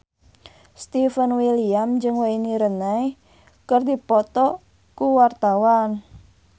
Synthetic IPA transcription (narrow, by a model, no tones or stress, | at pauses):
st̪ifənwiliamd͡ʒɨŋweiniɾənaj | kərd̪ipɔt̪ɔ | kuwart̪awan